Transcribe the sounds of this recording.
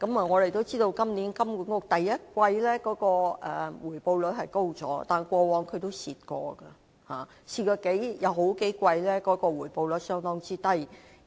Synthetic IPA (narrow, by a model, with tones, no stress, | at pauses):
kɐ˨˥ma˨ŋɔː˨˧le˨jt̪o˥wt͡siː˥t̪o˧wkɐ˥mni˨˥nkɐ˥mku˨˩ŋkɔ˧t̪ɐ˨jːɐ˥t̚kʷɐ˧jlɛː˥kɔː˨˥kɔː˧ʔɛː˨˩wuː˨˩jpo˧wlɵ˨˥t̚ɦɐ˨jko˥wt͡sɔ̰ː˨˥t̪aː˨˩nkʷɔː˧wɔː˨˧ŋkʰɵ˨˧ɥt̪o˥wsiː˧t̚kɔː˧ɡɐ˧ | haː˨ | siː˧t̚kɔː˧ke˨˥jjɐ˨˧wɦo˨˥wke˨˥jkʷɐ˧jlɛː˥kɔː˨˥kɔː˧wuː˨˩jpo˧wlɵ˨˥t̚sœː˥ŋt̪ɔː˥ŋt͡siː˥t̪ɐ˥j